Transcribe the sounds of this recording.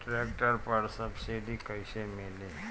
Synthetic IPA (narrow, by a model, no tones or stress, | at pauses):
ʈɾekʈəɾpəɽsəbsiɖikəjɕemele